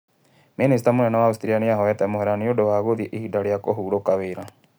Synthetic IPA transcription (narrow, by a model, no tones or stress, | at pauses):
minestamonɛnawaustɾianeaɦɔɛtɛmoɦɛɾaneodowaɣoðiɛʔihidaɾeakoɦuːɾokaweɾa